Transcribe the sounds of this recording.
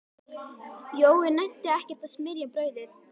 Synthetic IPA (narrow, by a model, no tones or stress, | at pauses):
joːwɣɪnajt̪ːɪɛhcɛɾ̥t̪aðsmɪɾjapɾœːɥðɪθ